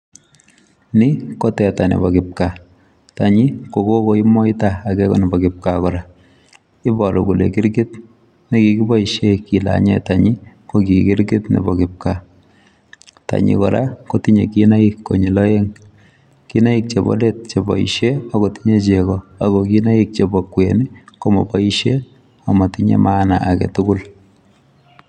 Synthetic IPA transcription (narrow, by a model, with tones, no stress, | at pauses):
ni˦ko˦tɛ˨ta˨nḛ˨bɔ˨kɪp̚ka˨ | taɲi˦ko˨ko˦ko˨˦i˦mɔ˦i˦taa˨kɛ˦kɔ̰˦nɛ˨bɔkɪp̚kakɔ˨ɾa˨ | ɪ˦bɔ˨ɾɔ˨ku˨lḛ˨ki˦ɾɡɪ˦t̚ | ne˦ki˨ki˦bɔ˦iʃeki˨la̰ɲetaɲi˦ | ko˦ki˨kɪ˦ɾɡɪ˦tnḛ˨bɔ˨kɪp̚ka˨ | ta̰ɲḭ˨kɔ˨ɾa̰˦koti˦ɲḛ˨kina˦ikːo̰˨ɲi˨lɔ˦je˦ŋ | ki˦na˦ik̚t͡ʃe˨bɔ̰˦de˦t̚t͡ʃe˨bɔ̰˨ḭ˨ʃe˦a˨ko˨ti̥˦ɲe˦t͡ʃekɔa˨kɔkina˦i˦k̚t͡ʃe˨bɔkweni˦komɔ̰˨pɔ˦i˦ʃe | a˨ma˨tiɲḛ˦mʔana˨ʔa˨kɛ̰˨tukʊ˦l